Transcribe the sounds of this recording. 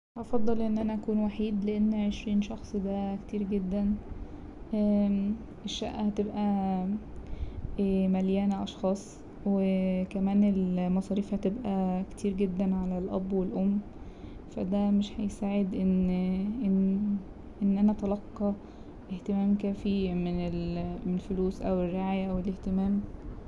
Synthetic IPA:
ʔɑfɑd̪ˤːɑlʔenːʔænæʔækuːnwaħiːd̪leʔenːʕeʃɾiːnʃɑxsˤd̪æke̥t̪iːɾɡed̪ːæn | ʔæ | ʔeʃːæ̰ʔʔæhæt̪ebʔæ | mæljæːnæʔɑʃxɑːsˤ | wekæmæːnelmɑsˤɑːɾiːfhæt̪ebʔæke̥t̪ʰiːɾɡed̪ːænʕalælʔæbːwelʔomː | fæ̰d̪æmeʃhæjsaːʕed̪ʔenʔen | ʔenːʔænæt̪ɑlɑqːɑ | ʔeht̪emæːmkæːfimenelelfoluːsʔæwerːeʕaːjæʔæweleht̪emæːm

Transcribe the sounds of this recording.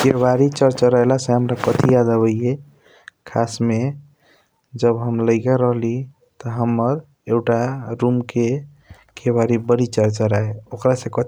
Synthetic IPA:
kebaɾit͡ʃəɾt͡ʃaɾəelasẽɦəmɾakət̪ʰijad̪əbəje | kʰasme | d͡ʒəbɦəmləɪkaɾəɦli | t̪ɔɦəmːəɾ | eɡʈaɾumke | kʰebaɾibəɽit͡ʃəɾt͡ʃaɾaeokɾasẽkət̪

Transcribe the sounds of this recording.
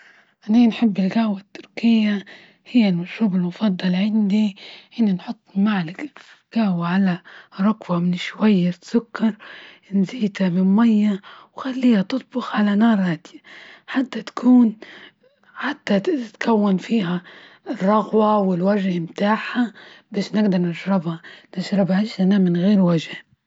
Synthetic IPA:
ʔaniːnħɪbːɪlɡahwat̪ːʊɾkɪjːa | hɪjːalmʊʃɾuːbɪlmʊfɑd̪ˤːɑlʕand̪iʔɪnːinħʊt̪ˤːmaʕlak | ɡ̥ahwaʕalaɾˤʊkwamɪnɪʃwajːat̪sʊkːɑɾˤ | nziːd̪amɪnmajːawxalːiːhat̪ʊt̪̚ˤbʊxʕalanɑːɾˤaːd̪jaħat̪ːat̪kʰuːn | ħat̪ːat̪kʰawːanfiːɦa | rˤːɑɣwawɪlwaʒhmt̪aːħabaːʃnɪɡd̪ɑɾˤnɪʃɾɪbhanɪʃɾˤɪbaʕɪʃanamɪnɣeːɾwaʒh

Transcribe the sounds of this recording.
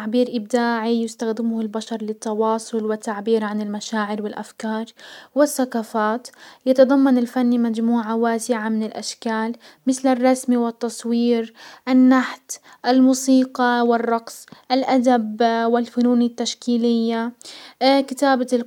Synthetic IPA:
aʕbiːɾʔɪbd̪aːʕijɪst̪axd̪ɪmʊhɪlbaʃɑɾˤlɪt̪ːɑwɑːsˤʊlwɪt̪ːaʕbiːɾʕanɪlmaʃaːʕɪɾwɪlʔa̰fkɑːɾˤwɪθːakaːfaːt̪jɑt̪ɑd̪ˤɑmːɑnɪlfanːimad͡ʒmuːʕawaːsɪʕamɪnɪlʔa̰ʃkaːl | mɪθlɪrˤːɑsmiwɪt̪ːɑsˤwiːɾʔanːaħt̪ | ʔalmuːsiːqɑwɪrˤːɑqsˤʔalʔad̪abwɪlfʊnuːnɪt̪ːaʃkiːlɪjːa | kɪt̪aːba

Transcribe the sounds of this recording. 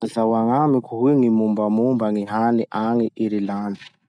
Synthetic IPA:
zawaŋamikʰuɦuiŋimumbamumbaŋiɦaniʔaŋiʔiɾilaːndi̥

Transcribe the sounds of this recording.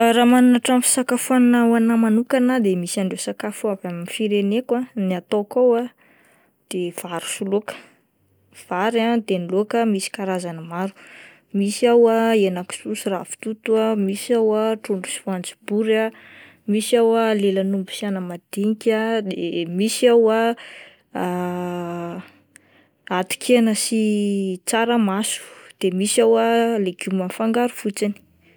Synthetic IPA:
ɾamanunaʈ͡ʂamfi̥sakafuannawanamanukanad̪emisiaɳɖ͡ʐesakafuavamifiɾenekwaniat̪okawa | d̪̥ev̥aɾu̥sulokə̥ | v̥aɾat̪enilokəmisi̥kaɾazanəmaɾu̥ | misiawaenaki̥susirafi̥t̪ut̪uamisawaʈ͡ʂuɳɖ͡ʐusifant͡si̥b̥uɾa | misawalelanumbu̥sianəmad̪̥iŋikʲad̪emisiawa | at̪u̥kʰenəsit͡saɾəmasu̥d̪̥emisawaleɡ̥umanfaŋɡaɾu̥fut͡sini̥

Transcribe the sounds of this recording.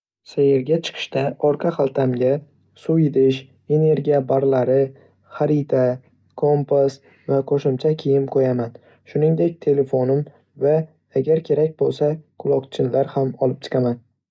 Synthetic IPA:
sajɪɾɡʲat͡ʃʰɨ̥qʰɨ̥ʃt̪aɒɾqʰɑχalˠt̪ʰamɡʲa | sʊd̪ɪʃ | e̞ne̞ɾɡʲijabaɾlaɾɪ | χaɾit̪ʰa | kʰo̞mpʰas | vaqʰoʃɪmt͡ʃʰakʲʰejɪmqʰojaman | ʃʊnɪŋd̪e̞k̚ʲt̪ʰe̞le̞fonɪm | va | aɡʲaɾkʲʰe̞ɾak̚ʲbolˠsakʰʊlˠɒkt͡ʃʰɪnlaɾhamɒlˠɪp̚t͡ʃ̪ʰɨ̥qʰaman

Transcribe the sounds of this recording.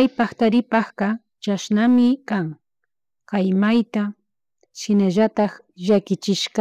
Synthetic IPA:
ajpɑχt̪aɾɪpɑχqɑ | t͡ʃaʃnamɪkaŋ | qɑjmajt̪a | ʃɪnaʒat̪ɑχ | ʒakɪt͡ʃɪʃqɑ

